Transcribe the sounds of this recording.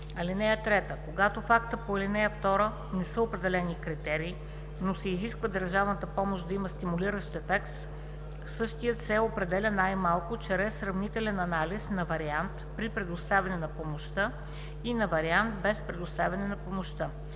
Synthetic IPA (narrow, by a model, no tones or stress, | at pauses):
ɐlinɛjət̪ɾɛt̪əkoɡat̪ofakt̪əpoɐlinɛjəft̪ɔɾə | nɛsəopɾɛd̪ɛlɛnikɾit̪ɛɾiː | nosɛiziskvəd̪əɾʒavnət̪əpɔmoʃd̪ɐiməst̪imʊliɾəʃt̪ɛfɛkt̪ | sɤʃt̪ijət̪sɛopɾɛd̪ɛlʲənajmalˠkʊt͡ʃɾɛsːɾɐvnit̪ɛlɛnɐnalisnɐvɐɾiant̪pɾipɾɛd̪ʊst̪avʲɐnɛnɐpomoʃt̪ɤ | inɐvɐɾiant̪bɛspɾɛd̪ʊst̪avʲɐnɛnɐpomoʃt̪ə